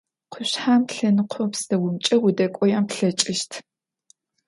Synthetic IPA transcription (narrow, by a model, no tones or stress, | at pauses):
qʷʰʊɕħaːmɬɐnɨqʷʰɔpsdɐwʊmt͡ʃʼɐwʊdɐkʷʼɔjaːmpɬɐt͡ʃʼɪʃtʰ